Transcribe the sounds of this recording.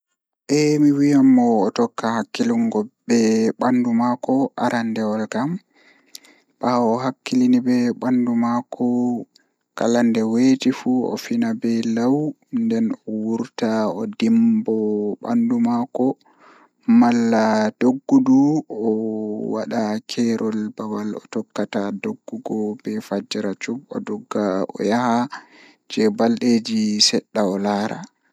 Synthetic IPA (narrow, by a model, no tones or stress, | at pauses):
ʔɛmiwijamːɔːtɔkːahakːiliŋɡɔbɛɓandumakɔʔa̰ɾʔandɛwɔlkam | ɓaɔɦakːilinibɛɓandumakʰɔ | ka̰landɛweːtifuɔ̰finabɛlaw | ndɛnɔwuɾtaɔdimbɔɓa̰ndumakɔ | malːad̥oɡːuduɔwa̰ɗakʰɛɾʔɔlbawalɔ̰tɔkːatadoɡːuɡɔbɛfad͡ʒɛɾat͡ʃubɔ̰dɔɡːaɔ̰jaha | d͡ʒɛbalɗed͡ʒisɛɗːaɔlaːɾa̰